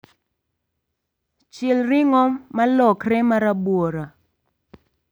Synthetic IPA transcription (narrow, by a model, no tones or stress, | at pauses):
t͡ʃɪlrɪŋɔːalɔkrɛmaɾabwoɾa